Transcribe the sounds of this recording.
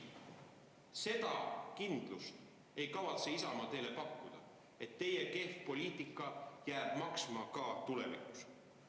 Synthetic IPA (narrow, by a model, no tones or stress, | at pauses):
se̞d̪̥ɑkind̪lust̪ | e̞jkɑvɑt̪seisɑmɑt̪e̞ːlepɑkːud̪̥ɑ | e̞t̪ːe̞jeke̞hfpo̞liːt̪ˑikːˑɑjæːb̥mɑksmɑkɑt̪ule̞̰vḭku̥s